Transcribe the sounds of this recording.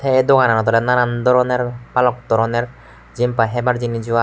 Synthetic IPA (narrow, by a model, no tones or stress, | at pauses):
t̪ʰɛɛd̪ɔɡananɔt̪ɔɾɛnaɾand̪ɔɾɔnɛɾpalɔk̚d̪ɔɾɔnɛɹ | zimpaɦɛbaɾzinizɔwa